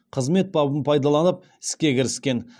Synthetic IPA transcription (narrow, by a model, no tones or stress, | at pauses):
qʰəzme̞t̪̚bɑbəmpʰɑjd̪ɑlˠɑnəp̚ | ɪ̥skʲe̞kʲɪɾɪskʲe̞n